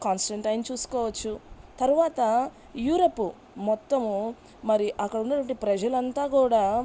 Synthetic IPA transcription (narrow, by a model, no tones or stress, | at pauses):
kaːnsʈɐɳʈɐjnt͡ʃuːsu̥kɔːʋɐt͡ʃːut̪ɐɾuʋaːt̪ɐ | juːɾɐpːu | mɔt̪ːɐm | mɐɾiʔɐkːɐɽunːɐʈʋɐɳʈipɾɐd͡ʒɐlɐnt̪aːkuːɽaː